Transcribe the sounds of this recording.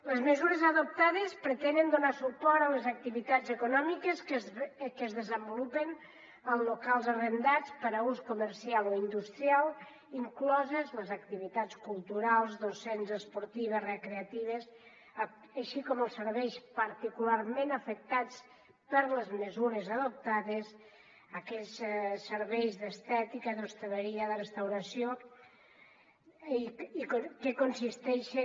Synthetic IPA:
ləzməzuɾəzəðop̚t̪aðəspɾət̪ɛnənd̪onasupɔɾt̪ələzək̚t̪iβit̪ad͡zəkunɔmikəs | kəzðəzəmbolupən | əlˠzlokalˠzərənd̪at͡spəɾəuskuməɾsialoind̪ust̪ɾialˠ | iŋklɔzəzləzəkt̪iβit̪at͡skulˠt̪uɾalˠzd̪osenzəspoɾt̪iβ̞əzrəkɾeət̪iβ̞əs | əʃikɔməlˠsəɾβɛjspəɾt̪ikulaɾmẽnəfək̚t̪at͡s | pəɾləzməzuɾəzəðop̚t̪aðes | əkɛssəɾβɛjzðəst̪ɛt̪ikəðost̪eləɾiəðərəst̪awɾɐsjo | ikokekonsist̪ɛʃe

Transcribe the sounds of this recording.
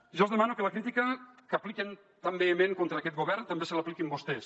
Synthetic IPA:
ʒɔzðəmanukələkɾit̪ikəkəpliken | t̪ambeːmẽŋkont̪ɾəːkɛt̪̚ɡoβɛrnt̪əmbesələaplikimbust̪ɛs

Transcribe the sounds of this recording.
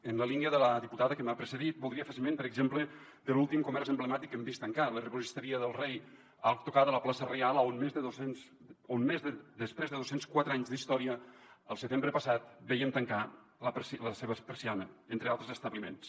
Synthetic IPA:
ənləliniəðələðiput̪aðəkəmapɾəsəðit̪̚bulˠd̪ɾiəfasilˠmenpəɾəɡzemplə | d̪əlulˠt̪imkumɛɾzəmbləmat̪ikːembist̪əŋkalərəɣuzist̪əɾiəðəlˠrej | alt̪ukaðələplasərealˠonmezðəðosens | onmezðəd̪əspɾezðəðosenskwat̪ɾaɲzðist̪ɔɾiəːlˠsət̪embɾəpəsat̪̚bɛjəmt̪əŋka | ləpsləseβəpəɾsianəent̪ɾealˠt̪ɾəzəst̪əβlimḛns

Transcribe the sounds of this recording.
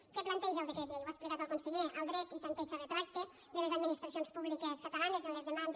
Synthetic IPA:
keplant̪ɛʒawɾeked̪iewaspleɣat̪alˠkonseʎeʔald̪ɾɛt̪it̪ant̪ɛʃaret̪ɾak̚t̪e | d̪elezad̪minist̪ɾas̬ionspuβlikeskat̪alanezenlezðemand̪

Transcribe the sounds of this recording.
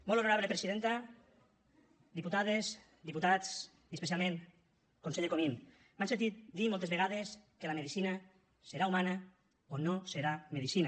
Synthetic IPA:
molonoɾaβlepɾesiðent̪a | d̪iput̪aðes | d̪iput̪at͡s | iespes̬jalmẽn | konseʎekomin | bansent̪̬it̪̚d̪imolt̪ezβeɣaðeskelameðisina | seɾaumana | onoseɾameðisina

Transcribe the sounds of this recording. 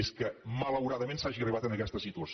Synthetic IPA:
eskəmələwɾaðəmẽnsaʒiəriβat̪ənəkɛst̪əsit̪uəs

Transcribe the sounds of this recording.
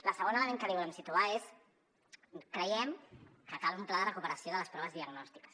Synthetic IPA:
ləsəɣ̞onələmeŋkəliβulɛmsit̪uaes | kɾəjɛmkəkalumplaðərəkupəɾəsijoðələspɾɔβəzðiəɡnɔst̪ikə̥s

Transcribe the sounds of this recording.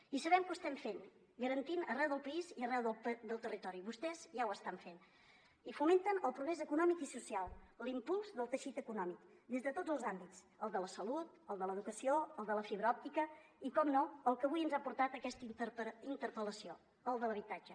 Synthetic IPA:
isəβɛmkuəst̪ɛɱfen | ɡəɾənt̪inərɛwðəlˠpəiziərɛwðəd̪əlˠt̪ərit̪ɔɾiβust̪ɛzʒawəst̪aɱfen | ifument̪ənəlˠpɾuɣɾɛzəkunɔmikisusialˠlimpulˠzðəlˠt̪əʃit̪əkunɔmik | d̪ezðət̪odd͡zəlˠzambitt͡s | əlˠd̪ələsəlut̪əlˠd̪ələðukəsioəlˠd̪ələfiβɾəɔp̚t̪ikə | ikɔmnoəlˠkəβujənzapuɾt̪at̪əkɛst̪iəpəint̪əɾpələsio | əlˠd̪ələβit̪ad͡ʒə

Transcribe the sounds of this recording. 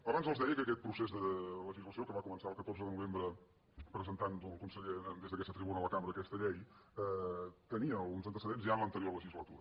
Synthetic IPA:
əβanzəlzðɛjəkəːkɛt̪̚pɾusezðələʒizləsiokəβakumənsaəlˠkət̪oɾrzəðənuβembɾə | pɾəzənt̪and̪əlˠkunsəʎed̪ezðəkɛsət̪ɾiβunəələkambɾəːkɛst̪əʎɛjɛt̪əniəunzənt̪əsəðenzʒaənlənt̪əɾioɾləʒizlət̪ṵɾə

